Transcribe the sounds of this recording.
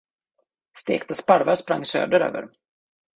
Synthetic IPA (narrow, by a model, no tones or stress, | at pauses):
st̪ḛːkt̪aspaɾvaspɾaŋːsø̰ːd̪əɾø̰ːvə̰ɾ